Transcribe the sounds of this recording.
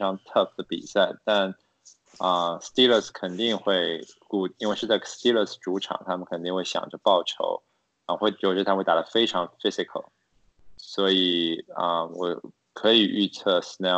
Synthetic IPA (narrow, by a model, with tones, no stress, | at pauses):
ɑ˧˥ŋt̪ʰə˥˩fd̪ə˩pḭ˨˩sa˥˩ɪt̪a˥˩n | ə˧st̪i˥lə˥˧˩skʰə˨˩nt̪i˥˧ŋxwe˥˩˧ɪku˥˩i˥nwe˥˧ɪʂɻ̩˥˧t͡sa˥˩ɪst̪i˥lə˥˧˩sʈ͡ʂu˧˥ʈ͡ʂʰɑ̰˨˩ŋt̪ʰa˥mə˨nkʰə˨˩nt̪i˥˧ŋxwe˥˩ɪɕjɑ̰˨˩ŋʈ͡ʂə˧pɑ˥˩ʊʈ͡ʂʰo̰˧˥ʊ˧˥ | xwe˥˩˨ʈ͡ʂ̪ʰa˥˧e˥˩a˨˩ə˧fe˥ɪʈ͡ʂʰɑ˧˥ŋfi˥sɪ˨˩kʰə˨˩l | swɔ˧˥i˨˩ə˧˩wɔ̰˨˩ | kʰɤ˧˥i˨˩y˥˧t͡sʰɤ˥˧˩snɛ˥˩